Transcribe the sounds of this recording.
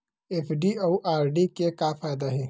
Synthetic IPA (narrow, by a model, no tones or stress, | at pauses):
epʰɖiawʔaːɾɖikekaːpʰaːd̪aɦeː